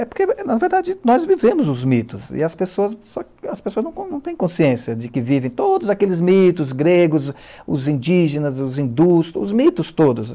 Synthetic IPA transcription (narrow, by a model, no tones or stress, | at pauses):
ɛpoɾkenɐɐveɾd̪ad͡ʒɪnɔzvivẽmʊzʊzmit̪ʊsɪ̰ɐspesoɐssɔ | ɐspesoɐznɐ̃w̃nɐ̃w̃t̪ẽj̃kõsiẽsɐd͡ʒɪkɪvivẽj̃t̪od̪ʊzakelɪzmit̪ʊzɡɾeɡʊz | ʊ̰zĩd͡ʒiʒẽnɐzʊzĩd̪usʊ̰zmit̪ʊst̪od̪ʊs